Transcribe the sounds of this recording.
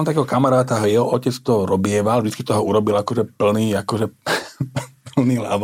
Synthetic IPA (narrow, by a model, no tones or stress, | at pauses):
mt̪akɛɦɔkamaɾaːt̪aɦjɛɦɔɔcɛt͡st̪ɔɾɔbɪɛʋalvʒd̪i̥t͡skit̪ɔɦɔuɾɔbilakɔʒɛpl̩niːakɔʒɛ | pl̩niːla̰ʋ